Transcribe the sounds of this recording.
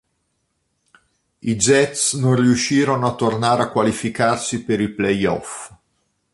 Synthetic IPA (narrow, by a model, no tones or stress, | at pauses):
id͡ʒɛt̪snonriuʃːiːɾonoat̪ːornaːɾeakːwalifikarsipeɾilplɛjɔ̰f